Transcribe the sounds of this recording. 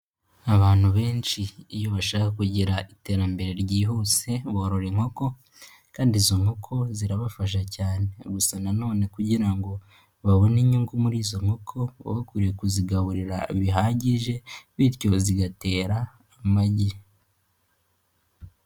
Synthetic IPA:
aβaːn̥huβe̞ːnt͡ʃiːjo̞βaʃaːkakuɟiɾaʔite̞ɾambe̞ɾe̞ɾɟiːɦoːse̞βoɾoɾeŋ̥ho̞ko̞ | kaːndizoŋokʰo̞ziɾaβafaʃ̬acaːne̞ɡusanano̞ːne̞kuɟiɾaŋɡo̞ | βaβo̞niɲuŋɡumuɾiːzo̞m̥okʰo̞β̰βakuɾijekuziɡaβuɾiɾaβiɦaːɟiʒe̞βiɾco̞ziɡate̞ːɾaː | maɟiɾ

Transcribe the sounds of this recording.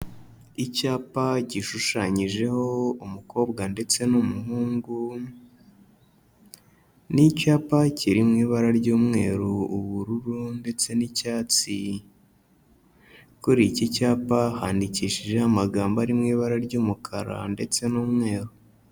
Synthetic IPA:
icaːpaɟiʃuʃaɲiʒe̞ho̞umuko̞ːbɡande̞t͡se̞numuɦuːŋɡu | nicaːpaciɾimŋiːβaɾaɾɟuːmŋe̞ːɾuuβuɾuɾunde̞t͡se̞nicaːt͡si | kuɾicicaːpahaːndiciːʃiʒe̞hamaɡaːmbaɾimŋiːβaɾaɾɟuːmukʰaɾa̰nde̞t͡se̞nuːmŋe̞ːɾu

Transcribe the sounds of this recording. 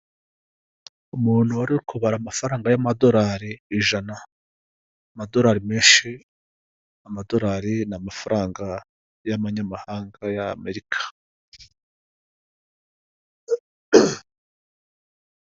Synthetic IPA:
umuːn̥huwaɾiɾkʰuβaɾamafaɾaːŋɡajamado̞ɾaɾiːʒanaː | mado̞ɾaːɾime̞ːnʃi | amado̞ɾaːɾinamafaɾʔaːŋɡa | jaβaɲamahaːŋɡajame̞ɾikʰḁ

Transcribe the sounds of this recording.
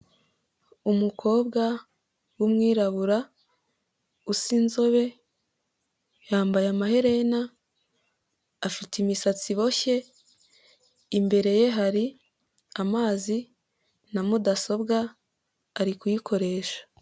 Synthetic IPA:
umukʰo̞ːbɡa | wumŋiːɾaβuɾa | usinzo̞βe̞ | jaːmbajamahe̞ɾe̞na | fitimisat͡siβo̞çe̞ | mbe̞ɾe̞je̞ɦaɾi | amaːzi | namudaso̞bɡaː | ɾikujikʰo̞ɾe̞ːʃḁ

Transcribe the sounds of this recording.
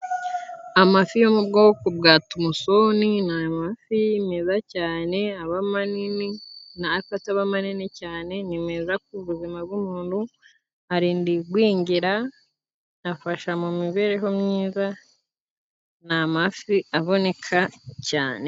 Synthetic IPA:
amafijomub̚ɡoːkobɡaːtumuso̞ninamafimezacaːne̞aβamanininafataβamaninicaːne̞nimezak̚uβuzimab̚ɡumuːnhu | aɾiːndiɡwiːɲɟiɾa | nafaʃamumiβe̞ɾeɦo̞mɲiːza | namafiaβo̞ne̞kʰaca̰ːne̞

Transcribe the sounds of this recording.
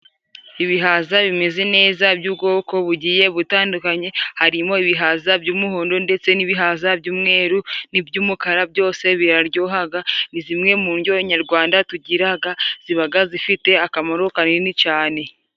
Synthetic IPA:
iβiɦazaβime̞ze̞ne̞ːzabɟuːbɡo̞ːko̞βuɟiːje̞βutaːndukaɲe̞haɾimo̞iβiɦazabɟuːmuɦoːndo̞nde̞t͡se̞niβiɦazabɟuːmŋe̞ːɾunibɟuːmukaɾab̚ɟo̞ːse̞βiɾaɾɟoːɦaɡanizimŋe̞muːɲɟo̞ɲaɾɡwaːndatuɟiɾaɡaz̥iβaɡazifite̞akamoɾokaɲenit͡ʃaːne̞

